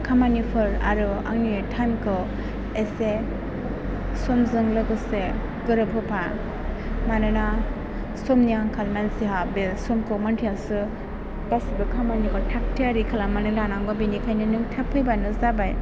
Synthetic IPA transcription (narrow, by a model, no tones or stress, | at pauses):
kʰamanipʰɯɾa̰ɾɯa̰ŋnitʰankʰɯ | ese | sɔmzɯŋlɯɡɯse | ɡɯɾɯpʰɯpʰa | manɯna | sɔmnijaŋkʰalmansiɦabesɔmkʰɯmantʰiasɯ | ɡ̥asibɯkʰamanikɔtʰak̚tʰiaɾikʰalamanɯlanaŋɡɔbinikʰajnɯnɯŋtʰapʰɯjbanɯzabaj